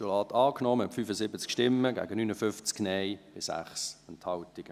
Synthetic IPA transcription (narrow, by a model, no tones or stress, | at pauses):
ʃulɑːtʰɑːknɔːməɛtfyːfəsɪbət͡skʃtɪmːəɡæ̰ːɡənyːnəfʏft͡sknɛɪb̥ɪsæ̰χsɛnthɑltɪɡ̥ə